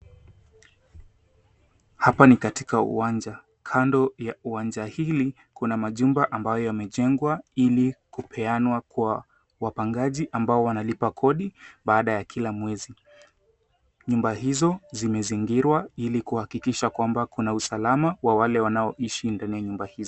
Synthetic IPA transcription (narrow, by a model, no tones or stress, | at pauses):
hapanikatikaṵwand͡ʒa | kʰandɔjauwand͡ʒahili | kunamaʄumbaʔambajɔjamɛʄɛŋɡwailikupʰɛanwakwwa | wapaŋɡaʄiʔambaɔwanalipakʰɔɗiɓaːɗajakʰilamwɛzi | ɲumbahizɔzimɛziŋɡiɾwailikuhakikiʃakwambakunausalamawawalɛwanaɔʔiʃindanijaɲumbahizɔ